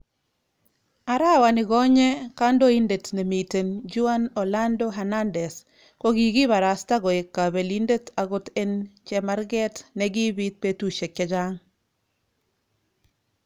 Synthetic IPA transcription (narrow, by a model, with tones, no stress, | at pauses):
a˨ɾa˦wa˨nɪ˨ɡɔ˦ɲɛ˦ka˦ndo˦i˦nde˨tne˨mi˨te˨nd͡ʒu˦a˦nɔ˨la˦ndo˦ɦɛ˨na˦ndɛ˨s | ko˦ɡi˨ɡi˦βa˨ɾa˨sta˦ɡɔ˨e˨kːa˨βe˨linde˦ta˨ɡo˦t̪e˦nt͡ʃɛma˦ɾɡɛ˦tnɛɡi˦bi˦t̪̚pe˦tu˦ʃe˨kɛ˨d͡ʒa˦ŋ